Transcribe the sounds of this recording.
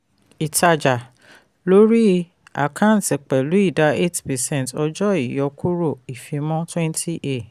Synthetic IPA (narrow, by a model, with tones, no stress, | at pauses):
i˨ta˧d͡ʒa˨ | lo˦ɾi˦ | a̰˨kʰã˦n̩˨ti˨k͡pɛ˨lu˨˦i˦˨da˧e˦tpɛ˨sɛ̃˦˨tɔ˧d͡ʒɔ˦i˨jɔ˨˧kʰu˦ɾo˦˨i˨fĩ˧mɔ̃˦twɛ̃˦n˦tʰi˦ʔe˦˨